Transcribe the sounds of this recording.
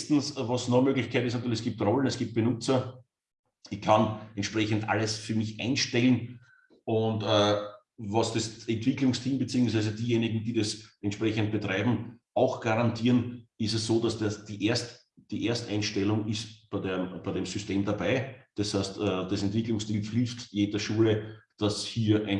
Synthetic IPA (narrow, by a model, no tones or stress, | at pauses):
stn̩svɑsnɔmøːɡlɪçkʰæɪtɪs̬ntyːɐlɪçɛsɡ̥iːp̚tʁɔlənɛsɡ̥iːp̚t̚b̥ənʊt͡sɐ | ɪçkʰanɛntʃpʁɛçəntʔa̰ləsfyːɐmɪçʔæ̰ɪnʃtɛlən̩ | ʊntəː | vɑsd̥esɛntv̥ɪklʊŋstʰiːmbet͡siːʊŋsʋæɪzəd̥iːjeːnɪɡŋ̩d̥iːdɐsʔɛntʃpʁɛçənt̚b̥ətʁaɪbm̩ʔɑʊxɡ̥aʁantʰiːɐnɪstɛssoːdasd̥ɐd̥iʔeɐst | d̥iːʔeɐstʔæ̃ɪnʃtɛlʊŋɪstb̥æɪdeb̥æɪɾemsʏsteːmdabæɪd̥ɛshæɪstəːd̥esɛntv̥ɪklʊŋstiːmflɪftjeːdɐʃuːləd̥ashiːɐʔæɪ